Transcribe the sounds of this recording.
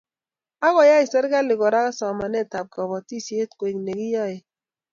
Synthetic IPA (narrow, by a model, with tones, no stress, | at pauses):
a˦ɣɔ˨ja˦i˨sɛ˦ɾɡa˦lɪ˨ɡɔ˨ɾa˦ka˦sa˨ma˨nɛ˦˨ta˨p̚ka˨bɔ˨ti˦˨si˨e˦tko˨i˨kne˨ɡi˦jɔ˦˨je˨